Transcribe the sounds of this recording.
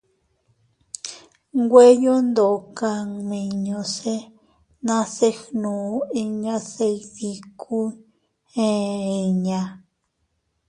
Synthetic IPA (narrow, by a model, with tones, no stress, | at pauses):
ŋɡʷe˦jo˦nd̪o˨ka˧ŋmĩ˧ɲõ˧se˦ | nã˦se˦xnũ˨˦i˧ɲã˦se˧i˧ði˧kʰu˦ | ẽ˦i˧ɲã˧